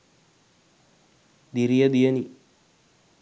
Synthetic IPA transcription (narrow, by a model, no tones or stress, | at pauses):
d̪iɾijɐd̪ijɐni